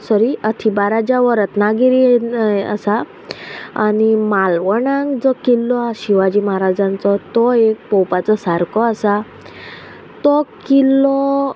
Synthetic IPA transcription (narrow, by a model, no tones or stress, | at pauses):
sɔɾiət̪ʰibaɾad͡ʑaʋəɾət̪naɡiɾiə̰sa | animalʋəɳãŋɡd͡zɔkilːɔaɕiʋad͡ʑiːmaɦaɾad͡zãnt͡sɔt̪ɔek̚pɔwpat͡sɔsaɾkʰɔasa | t̪ɔkilːɔ